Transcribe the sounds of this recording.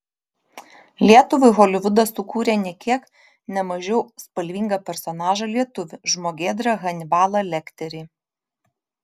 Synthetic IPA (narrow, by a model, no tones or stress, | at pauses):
lʲiɛt̪ʊʋʊɪɣɔlʲɪʋʊd̪ɐsːʊkuːɾʲenʲɛkʲiɛk | nʲɛmɐʒʲɛʊspɐlʲʋʲiːŋɡɐpʲɛɾsɔnɑːʒɐlʲiɛt̪ʊʋʲɪʒmoːɡʲeːd̪ɾɐɣɐnʲɪbɑːlˠɐlʲɛkt̪ʲɛɾʲɪː